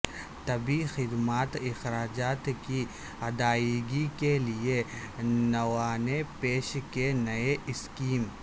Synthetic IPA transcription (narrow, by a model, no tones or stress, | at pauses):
t̪ɐbixɪd̪maːt̪ɪxɾaːd͡ʒaːt̪ki | ɐd̪aːiɡikelie | nɐwaːnepeːʃkenɐeʔɪskiːm